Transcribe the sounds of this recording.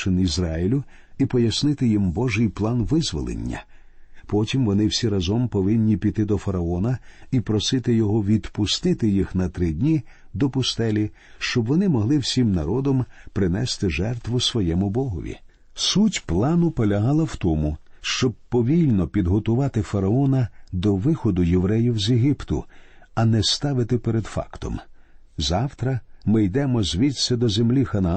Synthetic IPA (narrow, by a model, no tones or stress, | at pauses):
ɪnizrɑjɪlʲʊ | ipɔjɐsnɪt̪ɪjimbɔʒɪjplˠɑnʋɪzʋɔ̰lˠḛnʲːɐ̰ | pɔtʲimʋɔnɪwsʲiɾɐzɔmpɔʋɪnʲːipʲit̪ɪd̪ɔfɐɾɐɔnɐipɾɔsɪt̪ɪjɔɦɔʋʲid̪pʊst̪ɪt̪ɪjixnɐt̪ɾɪdʲnʲi | d̪ɔpʊst̪ɛlʲi | ʃt͡ʃɔbʋɔnɪmɔɦlˠɪwsʲimnɐɾɔd̪ɔmpɾɪnɛst̪ɪʒɛrt̪ʋʊsʋɔjɛmʊbɔɦɔ̰ʋʲḭ | sutʲplˠɑnʊpɔlʲɐɦɑlˠɐwt̪ɔmʊʃt͡ʃɔb̚pɔʋʲilʲnɔpʲid̪ɦɔt̪ʊʋɑt̪ɪfɐɾɐɔnɐd̪ɔʋɪxɔd̪ʊjeʋɾɛjiwzʲeɦʲipt̪ʊ̰ | ɐnɛst̪ɑʋɪt̪ɪpeɾed̪fɑ̰kt̪ɔ̰m | zɑwt̪ɾɐmɪjd̪ɛmɔzʲʋʲisʲɐd̪ɔzemlʲixɐnɐ